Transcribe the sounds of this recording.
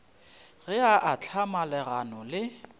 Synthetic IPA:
ɣɛaʔat͡ɬʰamalɛɣanɔlɪ

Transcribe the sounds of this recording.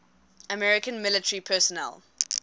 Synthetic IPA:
əmɛɹɪkə̃nmɪlɪtəɹipʰɛˑsɔnɛ̰l

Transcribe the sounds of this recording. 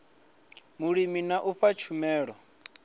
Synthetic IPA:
muɺiminaʔuɸat͡ʃʰumɛːɺɔ

